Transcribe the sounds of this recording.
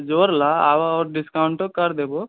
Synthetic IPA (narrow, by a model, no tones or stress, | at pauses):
d͡ʒoːɾlaaʋaɔːɾɖɪskaʊɳʈokəɾd̪ebo